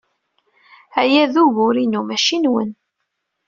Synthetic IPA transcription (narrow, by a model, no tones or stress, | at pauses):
æjæðuʝʊɾinumæʃinwə̰n